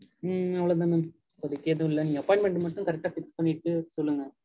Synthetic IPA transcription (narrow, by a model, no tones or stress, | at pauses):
ɐʋːɐɭɐð̬aːnɯm | pɔðikʲːeɐðũɪlːɐnĩːɐpːojɳɖmeɳʈɯmɐʈːɯmkɐɾɛk̚ʈaːfɪkspɐɳːiʈːɯsolːɯŋɡɐ